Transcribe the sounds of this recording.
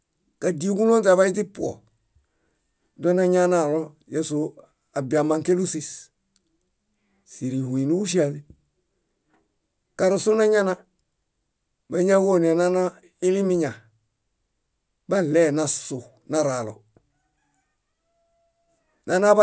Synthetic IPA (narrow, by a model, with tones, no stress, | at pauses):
ka˨di˦u˦ku˦no˦nta˨βa˦i˦t̬i˦pu˦o̰˨ | do˦na˦ɲa˦na˨lo | je˨su | a˨bi˨a˨ma˨ŋke˦lu˦si˨s | si˨ɾi˨hu˨i˨nu˦u˦ʃi˦a˨ni | ka˨ɾusu˦na˦ɲa˦na˦ | ba˨ɲa˦wo˦ne˨nana˦ | i˦li˦miɲa˨ | ba˦le˦na˨su | na˨ɾalo̰ | na˨na˦b